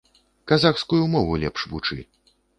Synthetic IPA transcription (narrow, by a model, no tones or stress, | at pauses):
kazaxskujumɔvulʲɛ̰pʂvut͡ʂɨ̰